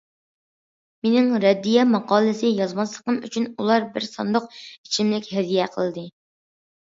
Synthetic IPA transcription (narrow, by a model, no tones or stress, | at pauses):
menɪŋɾɛd̪ːijɛmɑqɑːlˠɨsɪjɑzmɑslˠəqəmy̰t͡ʃʰynulˠɑɾbɪɾsɑ̰nd̪ʊq̚it͡ʃʰimlɪkʲhɛd̪ijɛqʰəlˠɨd̪ɨ